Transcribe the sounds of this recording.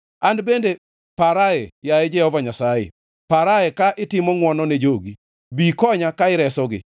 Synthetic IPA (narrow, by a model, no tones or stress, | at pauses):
andbende | paɾaɛjaɛd͡ʒɛhɔvaɲasajḛ | paɾajɛkaʔɪtɪmɔŋwɔnɔned͡ʒoɡi | bikɔɲakaɪɾɛsɔɡɪ̰